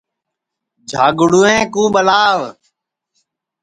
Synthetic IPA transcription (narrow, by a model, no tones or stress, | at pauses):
d͡ʒʱaːɡʊɽuːẽːkũːɓəlaːʋ